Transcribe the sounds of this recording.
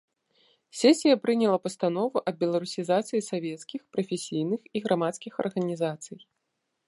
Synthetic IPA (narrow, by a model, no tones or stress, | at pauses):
sʲɛsʲijɐpɾɨnʲɛlˠɐpɐst̪anɔvuʔɐb̚bʲɛlˠaɾusʲizat̪sɨjisavʲɛt̪skʲixpɾɐfʲesʲijnɨxiɣɾamat̪skʲixɐ̰rɣɐnʲizat̪sɨj